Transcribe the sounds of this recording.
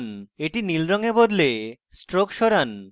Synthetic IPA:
neʈinilɾɔŋebod̪le | sʈɾokʃɔɾan

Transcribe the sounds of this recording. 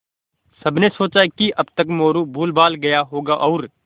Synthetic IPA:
sɐbnesoːt͡ʃakiʔɐbt̪ɐkmoːɾubʱuːlbaːlɡɐjaɦoːɡaʔɔːɾ

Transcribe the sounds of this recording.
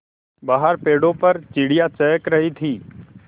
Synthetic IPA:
baːɦəɾpeːɽõpɐɾt͡ʃɪɽijat͡ʃɛːkɾɐɦit̪ʰiː

